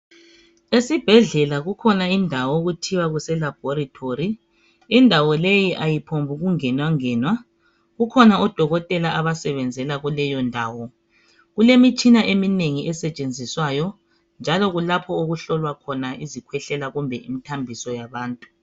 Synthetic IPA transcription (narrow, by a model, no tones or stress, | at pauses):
esib̥ʱɛɮɛlaɣukʰɔnaindʱawɔoɣutʰiwaɣusɛlab̥ʱɔɾitʰori | indʱawɔlejiʔajipʰombʱuɣuŋɛnwaŋɛːnwa | ɣukʰɔnaɔd̥ʱɔɣɔtʼɛlaʔaβasɛβɛnd͡zʱɛlaɣulɛjɔndʱaːwɔ | ɣulemit͡ʃʼinaʔemineŋiʔɛsɛt͡ʃʼend͡zʱiswajɔ | nd͡ʒʱalɔɣulapʰɔoɣuɬɔlwakʰɔnaʔizikʰwɛɬɛlaɣumbʱɛʔimitʰambʱisɔjaβaːntʼu̥